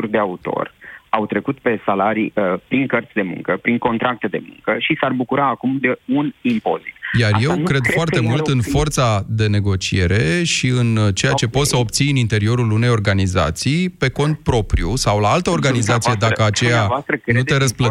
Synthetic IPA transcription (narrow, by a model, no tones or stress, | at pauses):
urʲd̪e̞aut̪o̞̰rawt̪ɾe̞kut̪pe̞salaɾiəpɾiŋkərt̪sʲd̪e̞mṵ̃ŋkəpɾiŋko̞nt̪ɾak̚t̪e̞d̪e̞mṵŋkəʃisarbukuɾaːkumd̪e̞unimpo̞̰zḭt̪jarje̞wkɾe̞d̪foart̪e̞mult̪ɨnfo̞rt̪sad̪e̞ne̞ɡo̞t͡ʃie̞ɾe̞ʃiɨnt͡ʃe̞jat͡ʃe̞po̞t̪səo̞p̚t̪siɨnint̪e̞ɾio̞ɾulune̞jo̞rɡaniza̰t̪sijpe̞ko̞nt̪̚pɾo̞pɾijusawlaalt̪əo̞rɡanizat̪sije̞d̪akəat͡ʃejavoast̪ɾəkɾneueɾəsplə